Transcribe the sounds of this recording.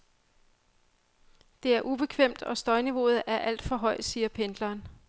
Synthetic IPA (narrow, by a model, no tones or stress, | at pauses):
d̥e̝æɐʔub̥e̝kʰʋem̰d̥ɒ̽sd̥ɒ̽ɪniʋo̝ð̞̩ˠʔæɐʔæl̰d̥fɒ̽ɦɒ̽ɪ̰d̥siːɐpʰend̥lɐːn